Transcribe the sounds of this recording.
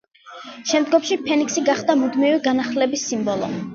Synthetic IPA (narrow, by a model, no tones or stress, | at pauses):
ʃɛmd̪ɡɔmʃipʰɛniksiɡaχd̪amud̪miviɡanaχlɛbisːimbɔlˠɔ̰